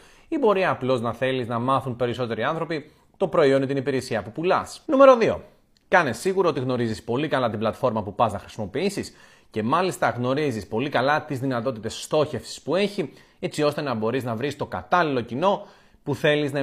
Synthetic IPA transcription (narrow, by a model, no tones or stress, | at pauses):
ibo̞ɾiɐːplo̞znɐθe̞liznɐmɐθunpe̞ɾiso̞t̪e̞ɾiɐnθɾo̞pi | t̪o̞pɾo̞io̞nit̪inipiɾesiɐpupulɐsnume̞ɾo̞ðio̞̰ | kɐne̞siɣuɾɐo̞t̪iɣno̞ɾizispo̞likɐlɐt̪iblɐt̪fo̞ɾmɐpupɐznɐxɾi̥simo̞piisis | ce̞mɐlist̪ɐɣno̞ɾizispo̞likɐlɐt̪izðinɐt̪o̞t̪it̪e̞sːt̪o̞çe̞fsi̥spue̞çi | e̞t͡sio̞st̪e̞nɐbo̞ɾiznɐvɾist̪o̞kɐ̰t̪ɐlilo̞cino̞ | puθe̞liznɐ